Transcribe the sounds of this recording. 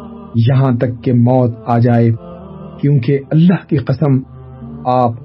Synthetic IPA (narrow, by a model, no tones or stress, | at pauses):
jɐɦãt̪ɐkːemɔːt̪aːd͡ʒaːe | kjõːkeɐlːaɦkiqɐsəm | aːp̚